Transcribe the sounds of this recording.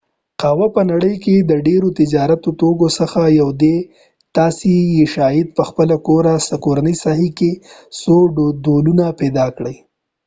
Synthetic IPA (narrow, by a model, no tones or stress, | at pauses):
qɑwapənaɽəjked̪əɖeɾot̪ɪd͡ʒɑɾat̪ot̪oɡosəxajawd̪e | t̪ɑsejeʃɑjɪd̪̚pəxpəlakoɾasəkoɾanəjsɑɦikesoɖolunapɛd̪ɑkɽəj